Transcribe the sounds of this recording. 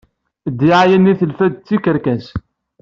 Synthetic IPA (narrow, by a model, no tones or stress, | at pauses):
d̪iʕajænːiθəlfæd̪̚t͡sːikəɾkæs